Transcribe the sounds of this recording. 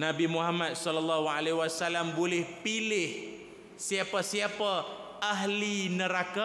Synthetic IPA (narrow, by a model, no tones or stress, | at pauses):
nabimuɦamat̪̚sɔlɔlːaɦualeɦwasalambolɪhpilɪh | siapasiapaʔaɦlinəɾaka